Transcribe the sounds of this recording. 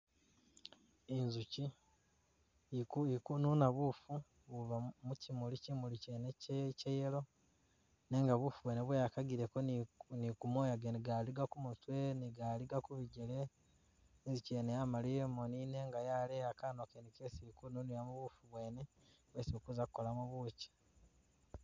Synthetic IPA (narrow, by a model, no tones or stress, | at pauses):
inzuci | kuikununaβufu | βuβamucimulicimulicenececejelo̞ | neːŋɡaβufuβwe̞ːneβwejakaɡiɾekonnikumoːjaɡeniɡaliɡakumutwe̞niɡaliɡakuβiɟele | ziceːnejamaliemonine̞ŋɡajaleakanokenikesiikununijamuβufuβwe̞ːne | weːsiokuzakukːo̞lamuβuce̥